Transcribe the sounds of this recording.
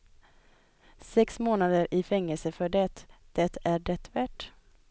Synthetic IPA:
sɛksmoːnad̪əɾɪfɛŋːəlsəfœɖɛt̪d̪̥ɛt̪æɖɛt̪væʈ

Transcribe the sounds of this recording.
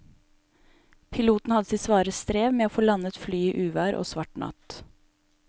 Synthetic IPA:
pʰɪluːt̪n̩hɑd̪əsiːsʋɑːɾəst̪ɾeːʋmeːoːfoːlɑnət̪flyːiːʔʉːʋæːɾʔo̰ːsʋɑʈɳɑ̰t̪

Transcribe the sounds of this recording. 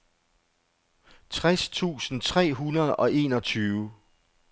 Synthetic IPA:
t͡sʰʁast͡sʰṵːsn̩t͡sʰʁɛ̰ːɦunɐð̞̩ˠɒ̽ʔe̝̰ːnɒ̽t͡sʰyːʋʊ

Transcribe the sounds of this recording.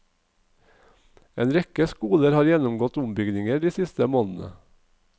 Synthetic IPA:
eːnɾɛkəskuːləɾhɑːɾjɛnʊmɡɔt̪ʊmbʏɡnɪŋəɖiːsɪst̪əmoːnn̩ʔə̰

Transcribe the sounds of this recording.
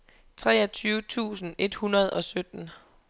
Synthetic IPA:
t͡sʰʁɛ̰ːɐt͡sʰyːʊət͡sʰṵːsn̩e̝d̥hunɐð̞ˠɒ̽sød̥n̩

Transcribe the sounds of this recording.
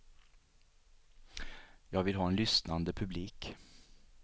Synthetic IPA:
jɑːɡvɪlɦɑːɛnlʏsnand̪əpʰɵbliːk

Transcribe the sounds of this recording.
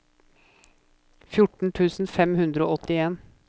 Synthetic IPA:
fjʊʈɳ̩t̪ʰʉːsn̩fɛmhʉnd̪ɾəo̰ːʔɔt̪ɪeːn

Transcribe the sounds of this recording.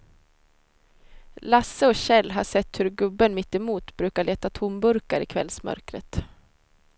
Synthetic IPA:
lasːəɔɕɛlːɦaʂɛt̪ːhɵɾɡɵbːənmɪt̪ːɛmuːt̪bɾʉ̟ːkaɭeːt̪at̪ʰʊmbɵɾkaɾɪ̰kʰvɛ̰lsmœ̰ɾkɾə̰t̪

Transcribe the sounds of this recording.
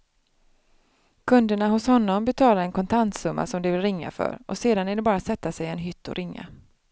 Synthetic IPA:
kʰɵnd̪əɳaɦʊshɔnːɔmbɛt̪ʰɑːlaɾɛnkʰɔnt̪ʰant̪sɵmːa̰sɔmd̪ɪvɪlɾɪŋːa̰fœ̰ɾʔɔseːd̪anɛɖ̪ɛbɑːɾasɛt̪ːasɛjɛnɦʏt̪ːɔ̰ɾʔɪŋːa̰

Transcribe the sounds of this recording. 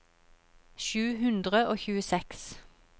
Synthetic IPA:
ʃʉːhʉnd̪ʁəoːçʉːəsɛks

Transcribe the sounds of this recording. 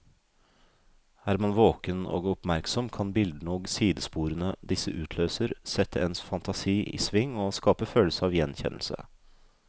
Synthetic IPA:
æːɾmɑnʋoːkəno̰ːɡɔpmæɾksɔmkʰɑnbɪld̪nəoːɡsiːd̪əspuːɾənəd̪ɪsəʔʉːt̪ʰløːsəɾsɛt̪ʰːəɛnsfɑnt̪ʰɑsiːʔḭːsʋɪŋːɔskɑːpəføːləsəɑːʋjɛnçɛ̰nə̰l̩sə̰

